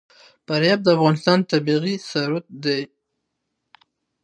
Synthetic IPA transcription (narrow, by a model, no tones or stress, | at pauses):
paɾjab̚d̪əafɣɑnɪst̪ɑnt̪abiɣisaɾʊt̪̚d̪ej